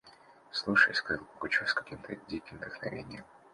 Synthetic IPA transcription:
slˠuʂəjsʲkɐvpəkʊt͡ɕusʲkɐkʲimt̪ʰədʲikʲɪmd̪əxnɐ̰vʲḛnʲɪjəm

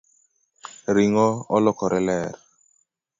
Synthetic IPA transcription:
ɾiŋɔɔlɔkɔɾɛlɛɾ

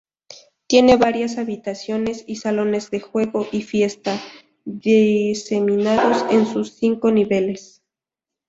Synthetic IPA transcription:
t̪je̞ne̞βaɾjasaβit̪asjo̞ne̞sisalo̞ne̞zðe̞xwe̞ɣo̞ʔifje̞st̪a | ðese̞mĩnaðo̞se̞nsusːiŋko̞niβe̞le̞s

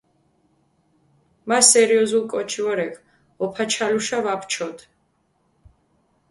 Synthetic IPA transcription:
masɛɾiɔzulˠkʼɔt͡ʃʰivɔɾɛkʰ | ɔpʰat͡ʃʰaluʃavapʰt͡ʃʰɔd̪

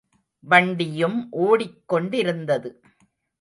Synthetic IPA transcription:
ʋɐɳɖɪjɯmʔoːɽɪkːɔɳɖɪɾɯnd̪ɐðɯ

